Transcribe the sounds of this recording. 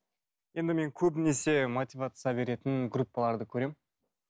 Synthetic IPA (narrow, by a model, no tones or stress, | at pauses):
je̞nd̪ɪme̞ŋkʲʰɵbnese̞mot̪ʲivat̪sijabe̞ɾe̞t̪ɪnɡɾupːɑlˠɑɾd̪əkʲʰɵɾe̞m